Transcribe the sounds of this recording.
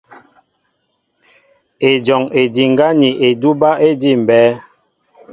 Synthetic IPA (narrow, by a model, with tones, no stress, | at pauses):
e˨d͡ʒɔ˨ŋe˨di˨ŋ˦ɡa˦ni˨ʔe˨du˦ba˦ʔe˦di˦˨m˨bɛː˨˦